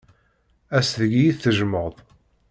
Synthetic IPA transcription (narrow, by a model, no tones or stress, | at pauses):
æsðəɡijiθθəʒəməʁðˤ